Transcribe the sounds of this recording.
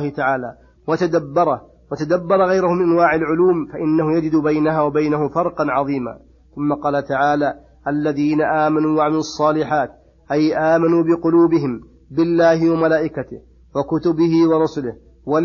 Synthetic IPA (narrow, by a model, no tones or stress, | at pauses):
hɪt̪aʕaːlaː | wat̪ad̪abːɑɾˤɑ | wat̪ad̪abːɑɾˤɑɣajɾʊhʊmɪnʔanwaːʕalʕʊluːmfaʔɪnːahʊjad͡ʒɪd̪bajnaɦaːwabajnahʊmfɑɾˤqɑnʕɑðˤiːma̰ː | θʊmːaqɑːlat̪aʕaːlaː | ʔalːaðiːnaʔaːmanuːwaʕamɪlɑsˤːɑːlɪħaːt̪ | ʔajʔaːmanuːbɪqʊluːbɪɦɪm | bɪlːaːhɪwamalaːʔɪkat̪ɪh | wakʊt̪ʊbɪhɪwɑɾˤʊsʊlɪh | wa